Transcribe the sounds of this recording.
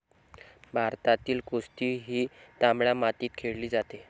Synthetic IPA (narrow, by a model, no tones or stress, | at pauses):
bʱaɾt̪at̪iːlkost̪iːɦiːt̪ambɭamat̪iːt̪̚kʰeɭliːd͡zat̪e